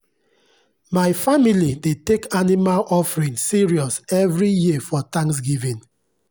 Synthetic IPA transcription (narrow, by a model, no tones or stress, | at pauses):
maɪfamilidetekanimalʔɔfɹĩnsiɹiɔsɛvɹijifɔtãŋks̬ɡivĩn